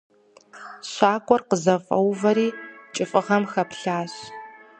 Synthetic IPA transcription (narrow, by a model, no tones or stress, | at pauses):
ɕʷaːkʷʼɔrqəzɐfʼɐ̰wvɐɾiːt͡ʃʼɪfʼɨʁɐmxɐpɬaːɕ